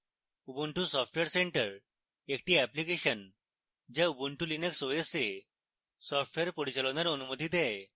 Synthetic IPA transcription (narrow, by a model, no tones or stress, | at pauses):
ubuɳʈusɔfʈʋeɾseɳʈəɾ | ek̚ʈiːæplikeɕən | d͡ʑaubuɳʈulineksojese | sɔfʈʋeɾpəɽit͡ɕalɔnaɾənumət̪id̪ɛj